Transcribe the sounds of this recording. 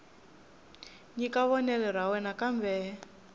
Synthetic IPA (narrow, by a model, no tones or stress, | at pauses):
ɲikaβɔnɛlɛɾawɛnakambɛ